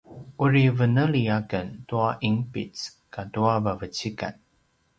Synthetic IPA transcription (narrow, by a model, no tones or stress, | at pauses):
ʔuɹivənəliakəntuaʔiŋpḭt͡s | katuavavət͡ɕika̰n